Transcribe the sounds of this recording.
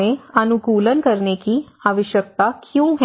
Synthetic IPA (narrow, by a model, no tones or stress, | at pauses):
ẽɐnʊkuːlənkəɾnekiaːʋəʃjək̚t̪akjõːɦɛ